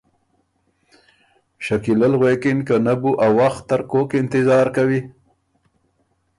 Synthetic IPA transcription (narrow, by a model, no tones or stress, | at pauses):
ʃakilalɣwekɪnkanabuʔawːaxt̪ːaɾkokɪnt̪ɪzɑɾkawi